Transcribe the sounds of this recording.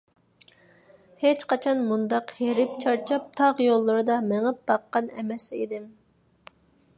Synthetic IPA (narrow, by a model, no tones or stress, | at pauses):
het͡ʃqɑt͡ʃʰɑnmund̪ɑqheɾɪp̚t͡ʃʰɑɾt͡ʃʰɑp̚t̪ʰɑʁjolˠːɨɾɨd̪ɑmɪŋɪp̚bɑqːɑnɛmɛsḭd̪ɪm